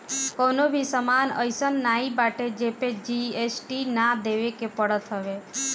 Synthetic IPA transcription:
konobʱisəmanə̰jsənːaibaʈed͡ʒeped͡ʒiesʈinad̪eʋekepəɽət̪ɦəʋe

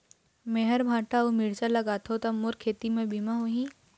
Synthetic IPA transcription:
meɦəɾbʱaːʈaomɪɽsalɐɡaːt̪ʰot̪amoɾkʰeːt̪imẽbʱimaɦoɦĩː

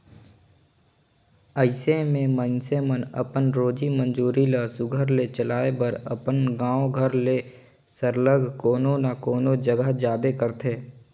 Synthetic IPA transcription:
əɪsemẽmənsemənə̰pənɾoːd͡ʒimə̃nd͡ʒuːɾiləsʊɡʱəɾlet͡ʃəlaːebəɾəpənɡãːoɡʱəɾle | səɾləɡʱkoːnonakoːnod͡ʒəɡəɦd͡ʒaːbekəɾt̪ʰeː

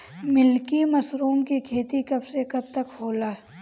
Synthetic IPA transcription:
mɪlkimɐsɾuːmkikʰeːt̪ikɐbsekɐb̚t̪ɐkhoːlaː

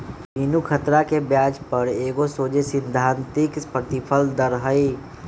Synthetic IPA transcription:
binukʰət̪ɾakebjaːd͡ʒpəɾeːɡosoːd͡ʒesɪ̃nd̪ʱãːnt̪ɪkpɾət̪ɪpʰəld̪əɾɦəi

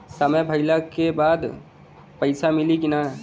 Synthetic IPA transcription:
sɐməjbʱɐɪlakebaːd̪ | pɐɪsamɪlikɪnaɦ

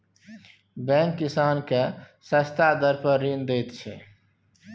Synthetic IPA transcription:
bɛ̃ːŋkːɪsaːnke | səst̪ad̪əɾpəɾːiːnd̪eːt̪t͡ʃʰɛ

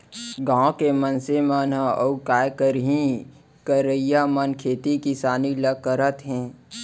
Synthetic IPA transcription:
ɡãːkemənsemənɦəəukaːjkəɾɦĩ | kəɾəijamənkʰeːt̪ikisaːniləkːəɾət̪ɦɛ̃ː

